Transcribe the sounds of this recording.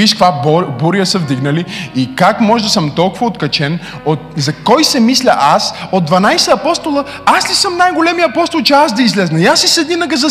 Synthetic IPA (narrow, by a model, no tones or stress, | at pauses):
iʃkkvabbuɾiəsəvd̪iɡnɐliikakmɔʒɛd̪ɐsəmt̪ɔlˠkʊvɐot̪kɐt͡ʃɛn | ot̪̚zɐkɔjsɛmislʲɐʔasod̪̚d̪vɐnajsɛɐpɔst̪olˠə | aslisəmnajɡolɛmijəɐpɔst̪olˠt͡ʃɛazd̪ɐizlɛznɐiasisɛd̪ninəɡəzɐ